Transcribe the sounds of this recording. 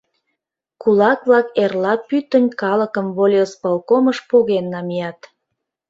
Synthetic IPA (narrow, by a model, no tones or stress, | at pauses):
kulɑkβlɑkerlɑpyt̪ənʲkɑləkəmβolʲjospɑlkoməʃpoɣenːɑmijɑt̪